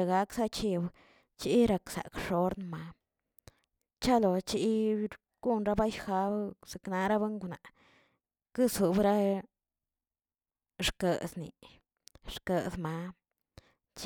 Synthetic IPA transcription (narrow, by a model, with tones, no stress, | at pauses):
ɡa˦ksa˦t͡ʃi˧b | t͡ʃi˦ɾa˧ksa̰˨kʂo˦ɾnma˨˧ | t͡ʃa˦lo˨t͡ʃi˧˦ | ɡ̥u˦nɾa˦ba˦jxa˧bse˨kna˧ɾa˦be˦ŋɡu˧na˨ | kɨ˦su˨bɾa˦ | ʂkə˨snḭ˨ | ʂkə˨sma˧˦ | t͡ʃ